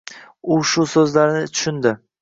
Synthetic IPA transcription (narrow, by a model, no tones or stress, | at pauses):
ʊʃʊsɵzlaɾnɪt̪ʰʊ̥ʃʊnd̪ɪ